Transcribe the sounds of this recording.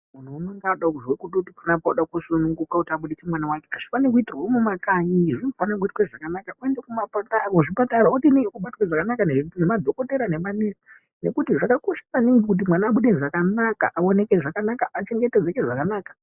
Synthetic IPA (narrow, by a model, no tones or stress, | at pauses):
mun̤uːnoŋɡaɗakuʐwekuɗutipunapauɗakusunuŋɡukakutiaɓuɗit͡semwanawakekaʐ̥ifanekuitirwomumakaɲiʐinofanak̬uitweʐakanakaue̞ndekumapataoʐipataɾautinejokuɓatwaʐakanakannemad̪ʱo̞ko̞te̞ɾane̞manisi | ne̞̰kutiʐakako̞ʃḁkaniŋɡikut̬imwanaːɓuɗenʐakanaka̰ʔao̞ne̞keʐakanakaʔat͡ʃe̞ŋɡe̞ted͡zekeʐakanaːkḁ